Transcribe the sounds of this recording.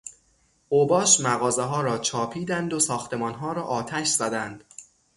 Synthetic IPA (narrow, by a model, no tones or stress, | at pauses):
oːbɒːʃmæɣɒːzeɦɒːɾɒːt͡ʃʰɒːpʰiːd̪ænd̪osɒːxt̪ʰe̞mɒːnɦɒːɾɒːʔɒːt̪ʰæʃz̥æd̪ænd̪̥